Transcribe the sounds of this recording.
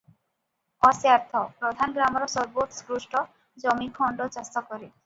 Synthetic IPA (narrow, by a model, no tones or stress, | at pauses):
ɔsjaɾt̪ʰɔpɾod̪ʱanɡɾamoɾɔsɔɾboʈskɾuʃʈɔ | d͡ʑɔmikʰɔɳɖot͡ɕɔst̪akoɾi